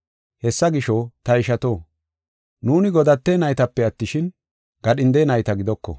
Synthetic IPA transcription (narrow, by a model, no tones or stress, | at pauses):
hɛsːɐɡɪʃɔt̪ɐɪʃɐt̪o̞ː | nuːnɪɡɔd̪ɐt̪ːeːnɐjt̪ɐpːɛɐt̪ːɪʃɪn | ɡ̥ɐɗɪnd̪eːnɐjt̪ɐɡɪd̪ɔkːɔ̰